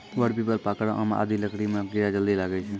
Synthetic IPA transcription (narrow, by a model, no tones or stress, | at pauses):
ʋəɽpiːpəlpaːkɽã̰ʔaːmã̰ʔa̰d̪iləkɽimãɡɪɾad͡ʒəld̪iːlaːɡət͡ʃʰĩ